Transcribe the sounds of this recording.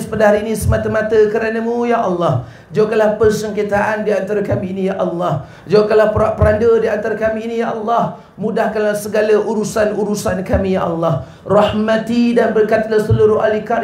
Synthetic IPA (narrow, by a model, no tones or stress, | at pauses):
spadaɦaɾiːnĩsəmat̪amat̪əkəɾanəmũjaʔɑlːɑh | d͡ʒawkanlahpərsəŋkət̪aʔandiant̪aɾakamiːnijaʔɑlːɑh | d͡ʒawakanlapəɾaʔpəɾandədiant̪aɾakamiːnijaʔɑlːɑh | mũdahkanlahsəɡalaʔuɾusanuɾusankamijaʔɑlːɑh | rɑhmat̪idanbərkat̪lasəluɾʊɦalika